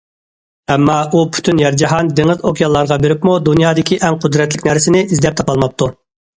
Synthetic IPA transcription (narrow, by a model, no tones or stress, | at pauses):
ɛmːɑupʰy̥t̪ʰynjɛɾd͡ʒɑɦɑnd̪eŋɪzokʲʰijɑlˠːɑɾʁɑbeɾɪpmud̪unjɑːd̪ɪkʲʰiʔɛŋqʰʊd̪ɾɛt̪lɪkʲnæɾsɪnɪʔizd̪ɛp̚t̪ʰɑpɑlˠmɑp̚t̪ʰu